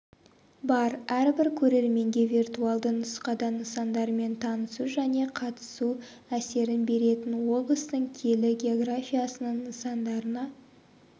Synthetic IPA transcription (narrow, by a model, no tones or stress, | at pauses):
bɑɾæɾbɪɾkʲʰɵɾe̞ɾme̞ŋɡʲe̞vʲirt̪uɑlˠd̪ənʊsqɑd̪ɑnəsɑnd̪ɑɾme̞nt̪ʰɑnəsuʒæne̞qʰɑt̪ə̥su | æse̞ɾɪnbe̞ɾe̞t̪ɪnwo̞blˠəst̪əɴkʲʰe̞lɪɡʲe̞o̞ɡrafʲijasənəɴnəsɑnd̪ɑɾənɑ